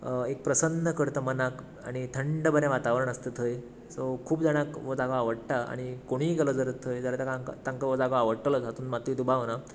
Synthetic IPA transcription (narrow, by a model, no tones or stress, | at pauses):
ek̚pɾəsənːəkəɾt̪əmənak | a̰ɽ̃it̪ʰəɳɖəbəɾɛ̃ʋat̪aʋɾəɳ̃əst̪ət̪ʰəj | sokʰuːbd͡zaɽ̃akʋod͡zaɡaaʋəɽʈaa̰ɽ̃ikoɽ̃iːkelɔd͡zəɾət̪ʰːəjd͡zaɾat̪akaŋkt̪ãŋkaʋod͡zaɡaaʋəʈələd͡zɦat̪uːnmat̪ɾit̪ubaʋna